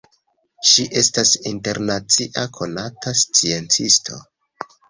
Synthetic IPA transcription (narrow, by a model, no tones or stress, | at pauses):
ʃiʔe̞stasinte̞ɾnat͡siʔakʰo̞natast͡sie̞nt͡sistʰo̞̰